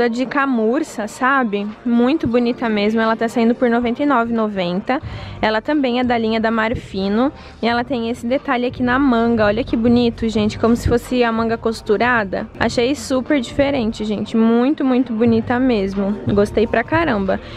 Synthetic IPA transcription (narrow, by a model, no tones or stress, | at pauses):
ɐd͡ʒɪkamuɾsɐsabɪmũj̃t̪ʊbunit̪ɐmezmʊɛlɐt̪asaĩnd̪ʊpʊɾnovẽnt̪ɐjnɔvɪnovẽnt̪ɐɛlɐt̪ɐ̃mbẽj̃ɛd̪ɐlĩɲɐd̪ɐmaɾfĩnʊ | ɪɛlɐt̪ẽj̃esɪd̪et̪aʎɪakinɐmɐ̃ŋɡɐɔʎɐkɪbunit̪ʊʒẽnt͡ʃɪ̥kõmʊsɪ̥fosɪɐmɐ̃ŋɡɐkost̪uɾad̪ɐ̰a̰ʃejsupeɾd͡ʒifeɾẽnt͡ʃɪʒẽnt͡ʃɪmũj̃t̪ʊmũj̃t̪ʊbunit̪ɐmezmʊɡost̪ejpɾɐkaɾɐ̃mbɐ